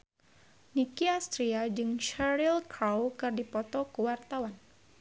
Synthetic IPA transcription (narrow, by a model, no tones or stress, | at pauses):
nikiast̪ɾiad͡ʒɨŋʃaɾilkɾawkɨrdipɔt̪ɔkəwart̪awan